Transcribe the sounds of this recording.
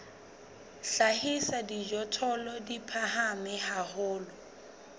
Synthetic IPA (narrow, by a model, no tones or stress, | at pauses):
ɬahisadid͡ʒɔtʰɔlɔdipʰaɦamɪhahʊːlɔ